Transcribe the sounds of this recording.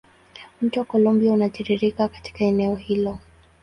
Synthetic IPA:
m̩tuwakɔlumbiaunaʄiɾiɾikakḁti̥kaɛnɛɔhilɔ

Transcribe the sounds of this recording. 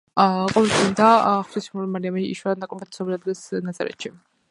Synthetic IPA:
qʼɔvɛlt̪ʰind̪aχt̪isulimaɾiamɛḭʃwanakʼɔpʰɛt̪ʰsɔbilad̪ɡɛsnat̪sʼɛ̰ɾɛ̰t̪ʃi

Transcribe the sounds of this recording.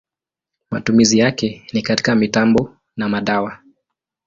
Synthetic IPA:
ma̰tumizijakɛnikati̥kamitambɔ | namaɗawa

